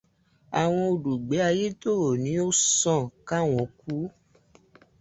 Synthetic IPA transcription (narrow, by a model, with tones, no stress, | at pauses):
a˨w̃ɔ̃˧o˧du˨ɡ͡be˨˦a˧je˦to˦ɾo˨nĩ˨˦o˦sɔ̃˦˨ka˦w̃ɔ̃˨˦ku˦